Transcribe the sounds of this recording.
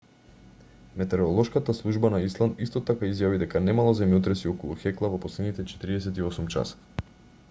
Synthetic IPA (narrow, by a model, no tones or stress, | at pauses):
mɛt̪ɛɾɔlˠɔʃkat̪aslˠuʒbanaislˠanist̪ɔt̪akaizjavid̪ɛkanɛmalˠazɛmjɔt̪̬ɾɛsiɔkɔlˠuxɛklˠavɔpɔslɛd̪nit̪ɛt͡ʃɛ̥t̪iɾiɛsɛt̪iɔsumt͡ʃa̰s